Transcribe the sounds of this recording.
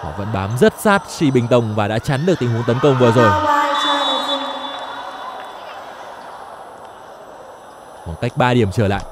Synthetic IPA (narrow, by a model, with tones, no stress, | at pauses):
hɔ̰˧˨və̰˧˥nɓaː˨˦mzə˦˥t̚saː˦˥t̚si˧˩ɓï˨˩ŋ̟t̪ə˨˩wŋ͡mvaː˨˩ɗa̰ː˧˥t͡ɕa˨˦nɗɨ˨˩k̚t̪ï˧˩ɦu˨˦ŋt̪ə˨˦nkə˧wŋ͡mvɨ˨˩zo˨˩jaː˧˩˨t͡ɕə˧ə˨˩zi˧˩ŋ | xwaː˨˩ŋka˦˥jk̟̚ɓaː˧ɗi˨˩əmt͡ɕəː˧˩la̰ː˧˨jʔ